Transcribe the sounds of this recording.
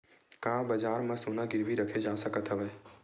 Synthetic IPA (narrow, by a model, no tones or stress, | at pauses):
kãːbəd͡ʒaːɾmãsunaɡɪɾʋiɾəkʰed͡ʒaːsəkət̪ɦəʋeː